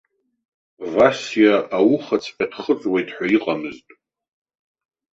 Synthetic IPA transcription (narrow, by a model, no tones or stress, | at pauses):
vasijaawʊχat͡sʰħʰadχət͡sʼwejtʼħʷᶣaiqʼamɨztʼ